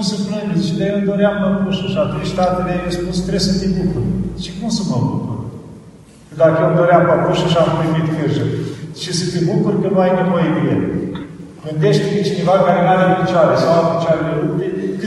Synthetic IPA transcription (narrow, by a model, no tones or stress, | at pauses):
msəpnəɡzit͡ʃed̪ajeld̪oɾeampakuʃaʃat̪ɾejst̪at̪eleajespust̪ɾesɨnt̪ebukuɾʃikumsəməbukur | kəd̪akəjeld̪oɾeampakuʃaʃapliɡit̪kʲirʒəʃisət̪ebukurkənuajnevojed̪ilen | ɡɨnd̪eʃt̪ʲpet͡ʃine̞vakaɾenaɾepit͡ʃaɾesawapit͡ʃaɾeleukɾekɨ